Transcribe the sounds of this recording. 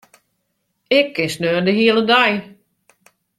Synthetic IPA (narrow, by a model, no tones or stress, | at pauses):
ɪkʰːɪnsnøːndəɦiəlˠədaj